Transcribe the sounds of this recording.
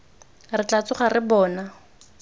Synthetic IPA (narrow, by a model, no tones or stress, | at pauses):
rɪt͡ɬat͡sʊχarɪbɔːna